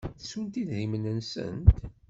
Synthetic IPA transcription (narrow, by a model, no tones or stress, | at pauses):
θsunt̪iððimənənsə̰nt̪